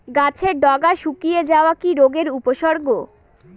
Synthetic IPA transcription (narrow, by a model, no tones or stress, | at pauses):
ɡat͡ɕʰeɾɖɔɡaʃukijed͡ʑaoakiɾoɡeɾupoʃɔɾɡo